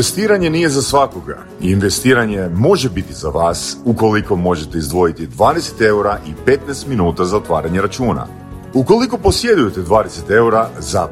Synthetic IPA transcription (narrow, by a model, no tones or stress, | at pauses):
est̪iːɾaɲe̞nije̞zasʋakoɡa̰ | iːnʋe̞st̪iːɾaɲe̞mo̞ʒebit̪izaʋaːsuko̞liko̞mo̞ʒe̞t̪eizd̪ʋo̞jit̪id̪ʋaːd̪ese̥t̪e̞uɾaʔipet̪nɛst̪minuːt̪azaot̪ʋaːɾaɲeɾat͡ʃuːna̰ | uko̞liko̞po̞sje̞d̪uje̞t̪e̞d̪ʋaːd̪ese̞t̪e̞uɾaza